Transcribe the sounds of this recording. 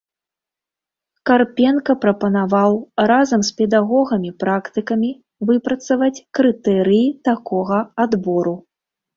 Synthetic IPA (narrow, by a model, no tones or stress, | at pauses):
karpʲɛnkɐpɾɐpɐnavawrazɐmspʲɛd̪aɣɔɣɐmʲipɾakt̪ɨkɐmʲi | vɨpɾɐt̪sɐvɐt͡sʲkɾɨt̪ɛɾɨjit̪akɔɣɐad̪bɔɾu